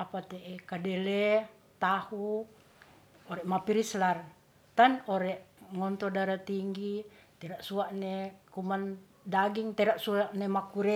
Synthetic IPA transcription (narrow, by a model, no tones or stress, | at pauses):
apat̪eʔekadɛlɛ | t̪ahu | ɔɾɛʔmapiɾislar | t̪anɔɾɛʔŋɔnt̪ɔdaɾat̪iŋɡit̪ɛɾaʔsuaʔnekuman | daɡiŋt̪ɛɾaʔsuaʔnemakuɾɛ